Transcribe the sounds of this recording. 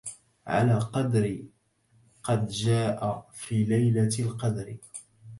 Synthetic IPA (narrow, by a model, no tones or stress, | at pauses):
ʕa̰laːqɑd̪ɾɪ | qɑd̪d͡ʒaːʔafiːlajlalqɑd̪ɾɪ